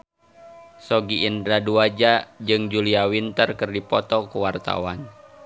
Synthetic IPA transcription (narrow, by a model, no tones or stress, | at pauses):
sɔɡiːndɾaduad͡ʒad͡ʒɨŋd͡ʒuliawint̪ərkɨrdipɔt̪ɔkuwart̪a̰wan